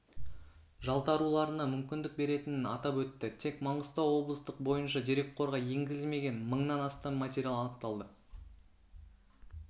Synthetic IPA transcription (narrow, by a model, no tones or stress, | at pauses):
ʒɑlˠt̪ɑɾulˠɑɾənɑmʏmkʲɪnd̪ɪk̚be̞ɾe̞t̪ɪnɪnɑt̪ɑpwɵt̪ːɪt̪ʰe̞kmɑɴəst̪ɑwwo̞blˠəst̪əq̚bo̞jənʃɑd̪eɾe̞k̚qʰo̞ɾʁɑje̞ŋɡʲɪzɪlme̞ɡʲe̞nməɴnɑnɑst̪ɑmmat̪ʲeɾʲjalˠɑnəq̚t̪ɑlˠd̪ə